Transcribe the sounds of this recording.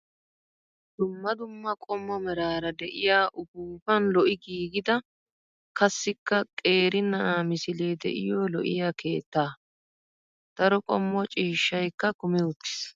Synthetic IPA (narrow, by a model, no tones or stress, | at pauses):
d̪̥ʊmːɐd̪ʊmːɐkʼɔmːɔmɛɾaːɾɐd̪ɛʔɪjaːʔʊɡuːfɐnlɔʔɪɡiːɡɪd̪ɐ | kɐsːɪkːɐkʼe̞ːɾɪnɐʔaːmɪsɪle̞ːd̪ɛ̰ʔɪ̰joːlɔʔɪ̰jaːkʰe̞ːt̪ːaː | d̪̥ɐɾɔkʼɔmːɔt͡ʃʼiːʃːɐjkːɐkʊmɛʊt̪ːɪ̥s